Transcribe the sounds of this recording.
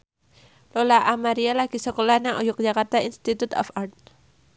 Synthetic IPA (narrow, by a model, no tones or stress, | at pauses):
lolaʔamaɾialaɡ̥isəkolahnaŋʔɔjʊk̚d͡ʒakart̪ainst̪it̪ut̪ɔ̰fart̪̚